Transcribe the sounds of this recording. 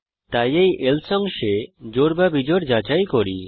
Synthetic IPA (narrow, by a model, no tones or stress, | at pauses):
t̪ajejʔelsɔŋʃed͡ʑoɾbabid͡ʑoɾd͡ʒat͡ɕajkoɾi